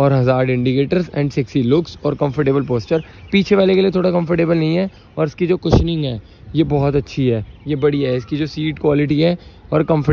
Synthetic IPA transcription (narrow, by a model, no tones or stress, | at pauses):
ɔːɾɦɐzaːɾɪ̃ɳɖikeːʈəɾzɛ̰̃ːɳɖsɪksilʊksɔːɾkɐ̃mfəɾʈeːbəlp̬oːst͡ʃəɾ | piːt͡ʃʰeʋaːlekeliet̪ʰoːɽakɐ̃mfəɾʈeːbəlnɐɦĩɦɛː | ɔːɾɪskid͡ʒoːkʊʃnɪ̃ŋɡɦɛː | jebɔɦɔt̪ɐtːʃʰiɦɛːjebɐɽiɦɛɪskid͡ʒoːsiːʈkwaːlɪʈiɦɛːɔːɾkɐ̃mfə